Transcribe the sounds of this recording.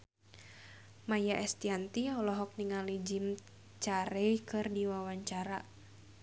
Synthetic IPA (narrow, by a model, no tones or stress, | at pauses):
majaʔɛst̪iant̪iɔlɔɦɔk̚niŋalid͡ʒim | t͡ʃaɾɛjkɨrdiwawaɲt͡ʃaɾa